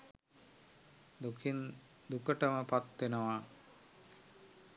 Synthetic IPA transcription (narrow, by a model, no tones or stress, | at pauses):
d̪ukin | d̪ukəʈəməpat̪ʋenəʋa